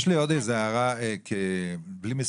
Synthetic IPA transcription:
ʃlejod̪ezeaʁakʰeblimes

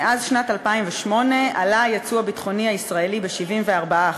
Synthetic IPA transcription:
azʃnatalpaimveʃmo̞ne̞alajat͡suabitχo̞niaisʁae̞libeʃivimveaʁbaa

